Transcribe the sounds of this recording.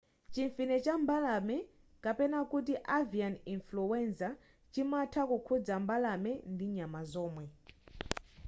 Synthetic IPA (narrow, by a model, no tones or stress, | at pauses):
t͡ʃiɱfinɛt͡ʃambalamɛ | kapɛnakut̬iʔavianinfluwɛnsa | t͡ʃimatʰakukʰud͡zambalamɛndiɲamazɔːmwɛ